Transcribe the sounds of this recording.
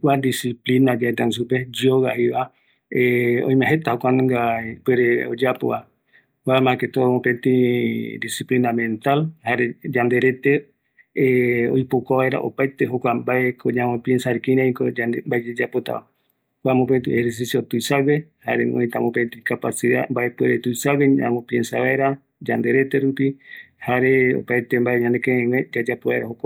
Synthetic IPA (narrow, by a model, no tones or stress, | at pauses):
wad̪isiplinad͡ʒaet̪as̬uped͡ʒioɣahiβa | eõ̰ĩmẽɦet̪ahokʷanŋɡapeɾeo̰d͡ʒapo̰βa | wamãket̪omopẽnt̪ĩd̪isiplinamẽnt̪alhaɾed͡ʒand̪eɾet̪e | o̰jpokaβaeɾa̰ʔopajt̪eɦokʷambaekʰoɲãmõpjensaɾikĩɾãĩkod͡ʒaembaed͡ʒed͡ʒapot̪a̰βa̰ | kʷamop̬ent̪ĩeheɾs̬isjot̪ujsawehaɾḛmõ̰ĩt̪amõpent̪ĩkapasiða̰mbae̞pweɾet̪ujsaweã̰mõpiensaβaeɾa | d͡ʒand̪e̞ɾe̞t̪eɾupihaɾeo̰pajt̪embaeɲãnd̪ekẽẽwẽd͡ʒad͡ʒapoβaeɾahokʷa